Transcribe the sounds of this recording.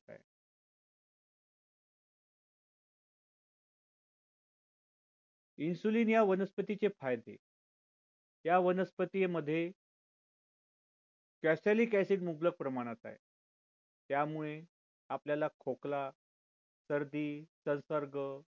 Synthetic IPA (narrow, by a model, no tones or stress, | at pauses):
a̰ | insuliːnjaʋənəspət̪it͡ɕt͡sefajd̪ʱḛ | jaʋənəspət̪ijməd̪ʱːje | kæsaliːkæsiʈmubləɡ̚pɾəmaɽ̃at̪a̰jḛ | t̪jamuɭe | apljalakʰokla | səɾd̪iːsə̃nsəɾɡə